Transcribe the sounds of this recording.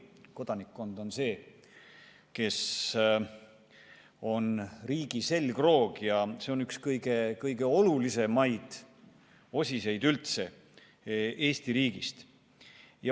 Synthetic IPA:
ko̞d̪̥ɑnikːˑo̞nd̪̥o̞nse̞ː | ke̞s | o̞nriːɡ̥ise̞lɡ̥ro̞ːɡ̥jɑse̞o̞nykskɤjɡ̥e̞kɤjɡ̥e̞o̞lulise̞mɑjd̪̥ | o̞sʲise̞jd̪ylt̪se̞ | e̞ːst̪iɾiːɡ̥ist̪ | jɑ

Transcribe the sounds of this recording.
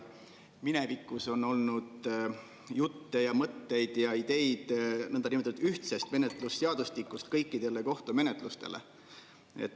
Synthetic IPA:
mine̞vikːˑuso̞no̞lnud̪ | jut̪ːe̞jɑmɤt̪ːe̞jd̪̥jɑid̪̥e̞jd̪̥nɤnd̪ɑnimt̪ːud̪yht̪sest̪me̞ne̞t̪ˑlusːeɑd̪̥ust̪ikːˑust̪kɤjkːid̪̥e̞le̞ko̞ht̪ume̞ne̞t̪ˑlust̪e̞̰le̞̰ | ḛt̪ːˑ

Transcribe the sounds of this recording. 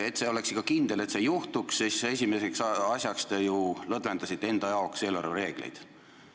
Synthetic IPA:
e̞t̪se̞o̞le̞ksikːˑɑkind̪e̞le̞t̪se̞juht̪uksise̞sʲimese̞ksɑsʲjɑkst̪ejulɤd̪ve̞nd̪ɑsit̪ːee̞nd̪̥ɑjɑokse̞lːæɾuɾe̞ːɡ̥lḛjd̪̥

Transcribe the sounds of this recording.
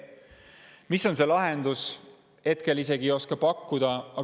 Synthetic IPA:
miso̞ns̬e̞lɑɦend̪us | e̞t̪̚kelise̞ɡio̞skɑpɑkːud̪̥ɑɑ

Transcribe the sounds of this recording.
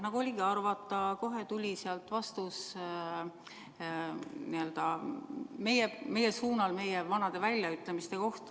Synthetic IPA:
nɑɡ̥uolʲiɡiɑrvɑt̪ːˑɑko̞ɦe̞t̪ulʲiseɑlt̪vɑst̪us | niø̞ld̪̥ɑ | me̞jeme̞jesuːnɑlme̞jevɑnɑd̪̥e̞vælʲjɑyt̪ːˑlemist̪e̞ko̞ht̪

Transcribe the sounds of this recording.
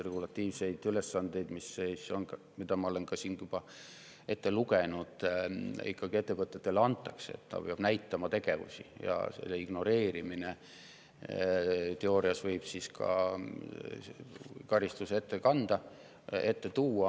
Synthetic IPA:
re̞ɡulɑt̪ˑːiːvse̞jd̪̥yle̞sːɑnd̪̥e̞jd̪̥misːeson | mid̪̥ɑmɑole̞nkɑsiːnjub̥ɑ | e̞t̪ːe̞luɡenud̪̥ḭkːɑɡ̥ie̞t̪ːe̞vɤt̪ːˑe̞t̪ːe̞leɑnt̪ːˑɑkseḛt̪ːt̪ɑ̰peɑb̥næjt̪ːˑɑmɑt̪e̞ɡ̥e̞vṵsḭjɑ̰sḛlːeiɡ̥no̞ɾe̞ːɾimine̞ | t̪e̞o̞ːɾiɑsvɤjb̥siskʰɑ̰ | kɑɾist̪use̞t̪ːekɑnd̪̥ɑ | e̞t̪ːe̞t̪uːɑ

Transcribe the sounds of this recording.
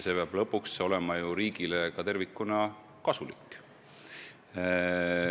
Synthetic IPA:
se̞peɑb̥lɤpːˑukso̞lɛ̞mɑjuɾiːɡilekɑt̪e̞rvikːˑunɑ | kɑsulikːˑ

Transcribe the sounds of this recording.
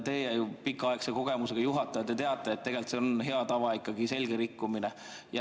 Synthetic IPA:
t̪e̞ːjæjupikːˑɑɑekseko̞ɡ̥e̞muse̞ɡ̥ɑjuɦɑt̪ːˑɑɑt̪ːet̪e̞ɑt̪ːˑeːt̪̚ːe̞ɡe̞lt̪seonɦe̞ɑt̪ɑvɑikːɑɡ̥ise̞lʲɡe̞ɾikːumine̞ | jɑ

